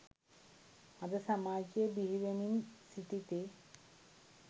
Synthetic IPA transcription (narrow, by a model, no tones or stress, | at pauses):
ad̪esamat͡ɕebiɦibeminsit̪it̪e